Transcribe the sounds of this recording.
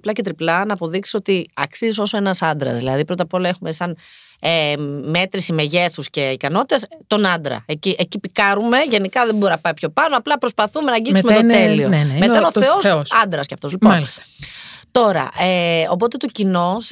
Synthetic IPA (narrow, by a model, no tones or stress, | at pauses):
plɐcet̪ɾiplɐnɐːpo̞ðiksi̥so̞t̪iɐksiziso̞soe̞nɐsɐnd̪ɾɐ̰zðilɐ̰ðipɾo̞t̪ɐpo̞lɐexume̞sɐn | eme̞t̪ɾisimeʝe̞θusce̞ikɐno̞t̪i̥t̪est̪o̞nɐnd̪ɾɐ̰eciʔecipikɐɾume̞ʝe̞nikɐðembo̞ɾinɐpɐipço̞pɐno̞ɐplɐpɾo̞spɐθumenɐɟimsumet̪ot̪eliomet̪ɐnoθeo̞ssɐnd̪ɾɐsceɐft̪o̞zlipolist̪ɐ̥t̪o̞ɾɐ̰ʔeo̞p̬o̞t̪e̞t̪o̞cino̞s